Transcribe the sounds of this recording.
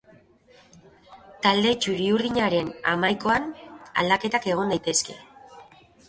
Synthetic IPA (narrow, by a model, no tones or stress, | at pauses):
t̪ald̪e̞t͡ʃuɾiuɾðiɲaɾe̞na̰majko̞ana̰ld̪ake̞t̪ake̞ɣ̞o̞nd̪ajt̪e̞ske̞̰